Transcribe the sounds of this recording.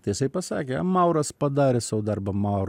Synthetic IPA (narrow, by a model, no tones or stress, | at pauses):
t̪ɐɪjɪsɐɪpɐsɑ̰ːkʲeɐmɐʊɾɐspɐd̪ɑːɾʲɛsɐʋod̪ɐrbɐmɐʊɾ